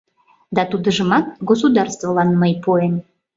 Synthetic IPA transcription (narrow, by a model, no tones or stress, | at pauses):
d̪ɑt̪ud̪əʒəmɑt̪̚ɡos̬ud̪ɑrst̪volɑnməjpoem